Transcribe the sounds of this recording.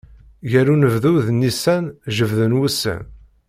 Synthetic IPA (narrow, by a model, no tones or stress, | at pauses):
ʝæɾunəvðuðnːisænʒəvðənwusːə̰n